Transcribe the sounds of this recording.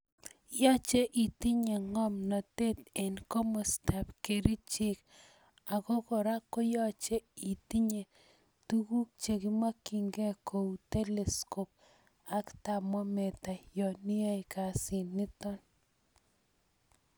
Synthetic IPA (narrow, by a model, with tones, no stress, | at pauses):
jɔ˦t͡ʃe˦ʔi˨ti˦ɲe˨ŋɔ˦mnɔ˨te˦t̪e˨nkɔ˦mɔ˨sta˨pke˨ɾi˦t͡ʃɪ˦k | a˨kɔ˦kɔ˨ɾa˦kːo˦jɔ˦t͡ʃe˦i˨ti˦ɲe˨ | tu˦ku˦k̚t͡ʃe˨ki˦ma˦kːi˨ŋɡe˦kʰo˨ute˦le˨sko˨p̚ | a˦kta˨mɔ˦me˨ta˨jɔ˨ni˦e˦jka˨si˨nɪ˦tɔ˦n